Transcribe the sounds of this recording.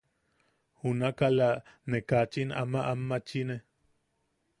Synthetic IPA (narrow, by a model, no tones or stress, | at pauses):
hunakalanekat͡ʃina̰maʔamːat͡ʃine